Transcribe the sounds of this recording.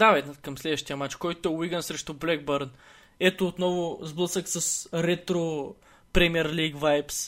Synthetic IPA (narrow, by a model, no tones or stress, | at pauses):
d̪avɛd̪nət̪kɐmslɛd̪vəʃt̪ijɐmat͡ʃkɔjt̪ʊɛʊiɡənsɾɛʃt̪ʊblɛɡ̚bəɾn | ɛt̪oːt̪nɔvʊzblˠɤsəksəsɾɛt̪ɾo | pɾɛmiɛɾliɡvajps